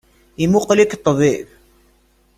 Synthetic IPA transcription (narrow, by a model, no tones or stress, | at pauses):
imuqlikt̪ˤːβib